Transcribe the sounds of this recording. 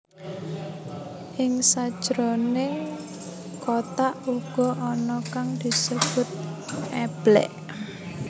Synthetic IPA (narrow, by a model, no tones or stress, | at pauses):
ʔɪŋsad̥ʒ̥ɾone | kot̪aʔuɡ̥ɔ̤ʔɔnɔkaŋd̪̥i̤səb̥ʊ̤t̪̚ʔɛb̥lɛ̰ʔ